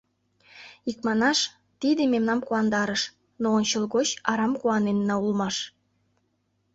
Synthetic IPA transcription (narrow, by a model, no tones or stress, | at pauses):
ikmɑnɑʃ | t̪id̪ememnɑmkuɑnd̪ɑɾəʃ | noonʲt͡ɕəlɣot͡ɕɑɾɑmkuɑnenːɑulmɑʃ